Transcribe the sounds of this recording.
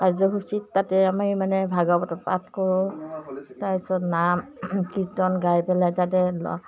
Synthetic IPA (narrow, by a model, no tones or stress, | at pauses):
kajzɔɦusitːatɛamaimanɛbʱaɡɔbɔtɔpat̚kɔɹʊ̃ | tajsɔnamkitɔnɡajpɛlajtat̬ɛlɔ̰